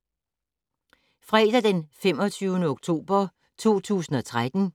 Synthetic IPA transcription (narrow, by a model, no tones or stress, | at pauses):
fʁɛːd̥æd̥enfem̰ɒ̽t͡sʰyːʊnəoɡ̥̚t͡sʰo̝̰ːb̥ɐ | t͡sʰo̝̰ːt͡sʰṵːsn̩ɒ̽t͡sʰʁad̥n̩